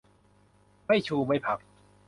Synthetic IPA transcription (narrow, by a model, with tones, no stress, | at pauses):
ma˥˩jt͡ɕʰuː˧ma˥˧˩jpʰa˨˩k̚